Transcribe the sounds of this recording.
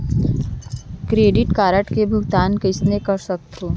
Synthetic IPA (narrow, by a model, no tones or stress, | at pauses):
kɾeːɖɪʈkaːɾəʈkebʱʊɡt̪aːnkɪsnekɐɾsək̚t̪oː